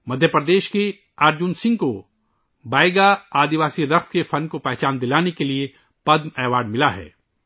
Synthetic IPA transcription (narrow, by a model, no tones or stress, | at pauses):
mɐd̪ʱjəpɾəd̪eːʃke | aːɾd͡ʒʊnsɪ̃ŋɡ̚ko | baːjɡaaːd̪iʋaːsiɾɐxt̪ʰkefʰɐnkopɛɦt͡ʃaːnd̪ɪlaːnekelie | pɐd̪mɛːʋaːɖmɪlaɦɛ̰ː